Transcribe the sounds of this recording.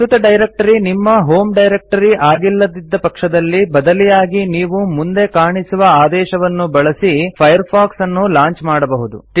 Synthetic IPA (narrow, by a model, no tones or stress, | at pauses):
ut̪ɐɖɐjɾek̚ʈɐɾinimːɐɦo̞ːmɖɐjɾek̚ʈɐɾiʔaːɡilːɐd̪id̪ːɐpɐkʂɐd̪ɐlːibɐd̪ɐlijaːɡiniːʋumund̪ekaːɳisuʋɐaːd̪ɛːʃɐʋɐnːubɐɭɐsipʰɐjɐɾpʰaːksɐnːulaːɲt͡ʃmaːɽɐbɐɦud̪ṵʈ